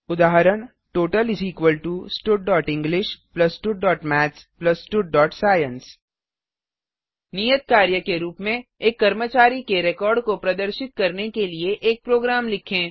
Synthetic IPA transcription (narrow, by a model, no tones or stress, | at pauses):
ʊd̪aːɦɾəɽ̃ | ʈoːʈəlɪziːkʋəlʈusʈuɖ̚ɖɔːʈɪ̃ŋɡlɪʃplɐsʈuɖ̚ːɔːʈmɛːsplɐsːʈuɖ̚ːɔːʈsaːjə̃ns | nijət̪̚kaːɾjəkeɾuːpmẽeːkːɐɾmət͡ʃaːɾikeɾɛkɔːɾɖkopɾɐd̪əɾʃɪt̪̚kɐɾnekelieʔeːk̚pɾoːɡɾaːmlɪkʰẽː